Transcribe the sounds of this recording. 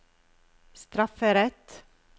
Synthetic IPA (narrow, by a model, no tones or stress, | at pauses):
st̪ɾɑfəɾɛt̪